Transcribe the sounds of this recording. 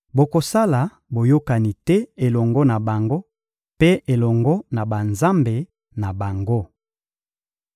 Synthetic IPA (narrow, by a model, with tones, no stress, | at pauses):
bo˨ko˨sa˦la˨ | bo˨jo˦ka˨ni˨tɛ˦e˨lɔ˨ŋɡɔ˦na˨ba˨ŋɡo˦ | pe˦e˨lɔ˨ŋɡɔ˦na˨ba˨nza˦mbe˨ | na˨ba˨ŋɡo˦